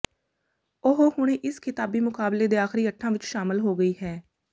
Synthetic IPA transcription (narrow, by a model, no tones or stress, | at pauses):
ʊɦoːhʊɽ̃eːʔɪskʰɪt̪aːbiːmʊkaːbleːd̪eːaːxɪɾiːəʈʰːãːʋɪt͡ʃʃaːmɪlɦoːɡəiːɦɛː